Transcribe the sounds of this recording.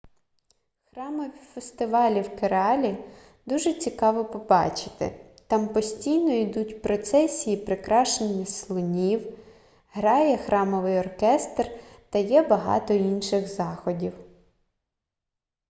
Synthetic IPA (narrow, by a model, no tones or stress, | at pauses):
xrɑmɔʋʲifest̪ɪʋɑlʲiwkeɾɑlʲi | d̪uʒɛt͡sʲikɑʋɔpɔbɑt͡ʃɪ̥t̪ɪ̰ | t̪ɑmpɔsʲtʲijnɔid̪utʲpɾɔt̪sɛsʲijipɾɪkɾɑʃenʲːɐslˠʊnʲiw | ɦɾɑjɛxɾɑmɔʋɪjɔrkɛst̪rt̪ɐjɛbɐɦɑ̰t̪ɔinʃɪɣzɑxɔdʲiw